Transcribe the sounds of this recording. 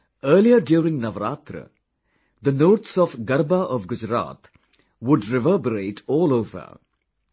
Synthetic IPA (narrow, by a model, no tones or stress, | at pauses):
əːɾliəɾɖjuːɾɪ̃ŋnɐʋɾa̰ːt̪ɾə̰ | d̪ənoːʈsɔfɡɐɾbaʔɔʋɡʊd͡ʒɾa̰ːt̪ | ʋʊɖɾɛʋəːbəɾeːʈʰɔːloːvə̰